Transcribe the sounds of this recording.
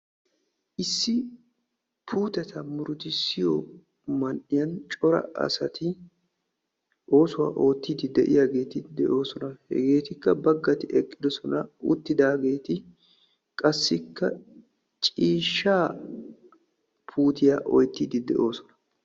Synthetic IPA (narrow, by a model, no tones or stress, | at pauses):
ʔɪsːɪ | pʰuːt̪ɛt̪ʰɐmʊɾʊt̪ɪsɪjɔ | mɐnʔɪjɐnt͡ʃʼɔɾɐ̰ɐ̰sɐt̪ɪ | ʔo̞ːsʊwa̰ːʔo̞ːt̪ːid̪ɪd̪ɛʔɪjaɡe̞ːt̪ɪd̪ɛʔo̞ːsɔnɐhɛ̰ɡe̞ːt̪ɪkːɐbɐɡːɐt̪ɪʔɛkʼːɪd̪ɔsɔnɐʊ̰t̪ːɪd̪aːɡe̞ːt̪ɪ | kʼɐsːɪkːɐ | t͡ʃʼiːʃːaː | pʰuːt̪ɪjaʔɔ̰jt̪ːid̪ɪd̪ɛ̰ʔo̞ːsɔ̥nɐ̥